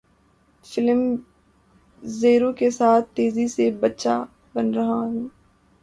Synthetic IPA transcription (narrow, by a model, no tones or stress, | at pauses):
fɪlm | zeːɾõkesaːt̪̚ʰt̪eːzisebɐtːʃa | bɐnɾɐɦaɦũː